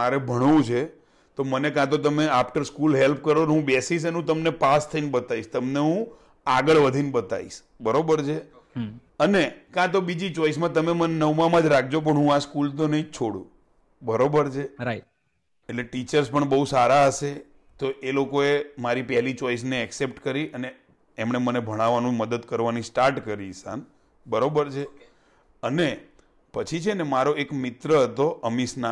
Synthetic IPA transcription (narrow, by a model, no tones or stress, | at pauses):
maɾebʱəɽ̃ʋũt͡ʃʰe | t̪omənekãt̪̬ot̪̬əmeafʈəɾskulɦelp̚kəɾonɦũbesis̬ənũt̪əmnepast̪ʰəinbət̪aiʃt̪əmneɦũ | aɡəɭʋəd̪ʱinbət̪a̰ḭʃ | bəɾobəɾt͡ʃʰe | ənekãt̪obid͡ʒit͡ʃɔis̬mãt̪əmemənenəʋmãmãd͡ʒɾak̚ʰd͡ʒop̬əɳɦũaskult̪̬onəɦĩt͡ʃʰoɽṵ̃ | bəɾobəɾt͡ʃʰe | eʈleʈit͡ʃəɾspəɳbəɦusaɾaəse | t̪oʔelokoemaɾipɛɦɛlit͡ʃɔis̬neːksep̚ʈkəɾiʔəneː | mɳ̃emənebʱəɽ̃aʋanũməd̪əd̪kəɾʋanisʈaɾʈkəɾisa̰n | bəɾobəɾt͡ʃʰe | əne | pət͡ʃʰit͡ʃʰenemaɾoekmɪt̪ɾəɦət̪oʔəmisna